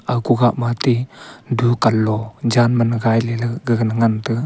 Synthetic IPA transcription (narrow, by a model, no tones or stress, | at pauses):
akuɡaʔmatidukalːɔd͡ʒanmanɡajlelɡəɡənəŋantɯ